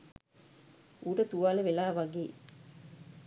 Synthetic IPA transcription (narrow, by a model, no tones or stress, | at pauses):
ʔuɾət̪uʋaːləʋelaːʋaɡeː